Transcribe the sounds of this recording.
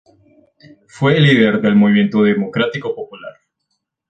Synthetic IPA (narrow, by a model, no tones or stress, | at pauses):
fweliðeɾd̪elmoβimje̞nt̪oðemokɾat̪ikopopulaɾ